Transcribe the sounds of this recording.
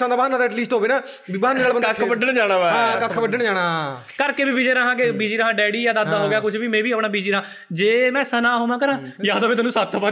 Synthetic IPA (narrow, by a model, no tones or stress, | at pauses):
ãːd̪aːbɦaːnãːd̪ɛʈliːsʈɦoːʋeːnaː | bibɦaːneːnaːlbəəkʰbəɖəɳd͡ʒaːɽaːʋaːãːkəkʰbəɖəɳd͡ʒaːɽaː | kəɾkeːbiːbiːd͡ʒeːɾaɦãːkebiːd͡ʒiːɾəɦãːɖɛːɽiːjaːd̪aːd̪aːɦoːɡɪjaːkʊt͡ʃʰʋiːmɛ̃ːbiːəpɳaːbiːd͡ʒiːɾəãː | d͡ʒeːmɛ̃ːsənaːɦoːmãːkəɾãːjaːaːẽːt̪ənũsaːt̪ʰːapa